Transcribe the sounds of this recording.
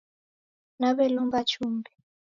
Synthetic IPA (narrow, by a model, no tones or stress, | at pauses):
naβɛlumbat͡ʃumbɛ